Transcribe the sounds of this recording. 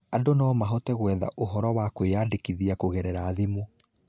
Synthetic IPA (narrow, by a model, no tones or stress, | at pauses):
adonɔːmaɦɔtɛɣwɛða̰ʔoɦɔɾɔwakoeaːdekiðiakoɣɛɾɛɾaːðemo